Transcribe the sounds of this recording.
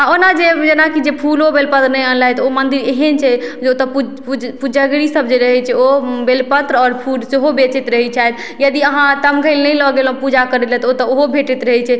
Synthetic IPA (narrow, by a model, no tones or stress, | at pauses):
aonad͡ʒed͡ʒenakid͡ʒepʰulobelpət̪ɾnəjənlaɦt̪ɔomənd̪iɾeɦənt͡ʃʰɛd͡ʒeot̪ɔpu | pud͡ʒəɡɾisəb̚d͡ʒeɾəɦɛt͡ʃʰɛobelpət̪ɾɔːɾpʰuɖseɦobet͡ʃit̪ɾəɦɛt͡ʃʰajt̪ | jəd̪iəɦãt̪əmɡʱəɪlnəjlɔɡelɔ̃pud͡ʒakəɾɛlɛt̪ɔot̪ɔoɦobʱeʈɛt̪ɾəɦɛt͡ʃʰɛ